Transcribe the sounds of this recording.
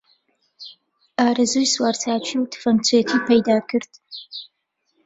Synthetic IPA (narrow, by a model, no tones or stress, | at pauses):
aːɾɐzujswaːɾt͡sʰaːt͡ʃʷʰiwtʰɨ̥fɐnt͡sʷʰeːtʰiːpʰɐjdaːkʰɨɾd̥